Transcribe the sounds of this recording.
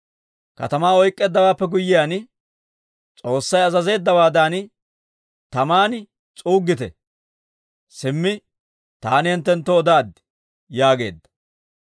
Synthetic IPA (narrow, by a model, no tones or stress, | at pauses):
kɐ̰t̪ɐmaːɔjkʼːeːd̪ːɐwaːpːɛɡʊjːɪjaːn | t͡sʼo̞ːsːɐjɐzɐze̞ːd̪ːɐwaːd̪aːn | t̪ɐmaːn | t͡sʼuːɡːɪt̪ɛ̰ | sɪmːɪ | t̪aːnɪhɛnt̪ːɛnt̪ːɔːd̪aːd̪ɪ | jaːɡe̞̰ːd̪ːɐ̥